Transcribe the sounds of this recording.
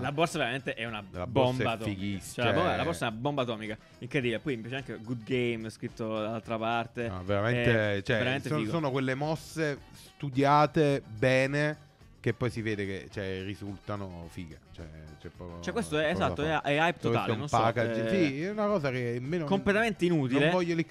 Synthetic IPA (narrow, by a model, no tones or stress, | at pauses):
labːɔrsaveɾament̪eʔɛunalabɔomsbɛat̪ɔiɡist͡ʃɛlabobalabɔɾsaɛunabombat̪ɔːmika | iŋkɾed̪ibilepɔjimpjat͡ʃeaŋkeɡud̪ɡejmskɾit̪ːod̪alalt̪ɾapart̪ea̰veɾamenet͡ʃɛeɾameneosoːnokwelːemɔsːesst̪ud̪jaːt̪ebɛːne | k̟epːɔjsiveːd̪ek̟ḛt͡ʃɛrizult̪anofiːɡet͡ʃɛ̰t͡ʃɛpːɔ̰ːkot͡ʃɛkwest̪oɛːzat̪ːoɛʔɛajp̪ot̪a̰ːlenonspakad͡ʒsiɛunakɔːzak̟emeːnokːomplet̪ament̪einuːt̪ilevɔʎːoli